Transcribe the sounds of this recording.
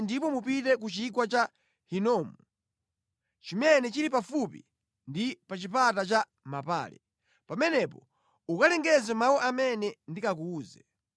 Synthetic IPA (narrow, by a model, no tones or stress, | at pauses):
ndipɔmupitɛk̬ut͡ʃik̬wat͡ʃa | hinɔːmu | t͡ʃimɛnɛt͡ʃiɾip̬afupḭ | ndipat͡ʃipatat͡ʃa | mapa̰ːlɛ̰ | pamɛnɛpɔ | ukalɛŋɡɛzɛmawɔʔamɛnɛndikakuːzɛ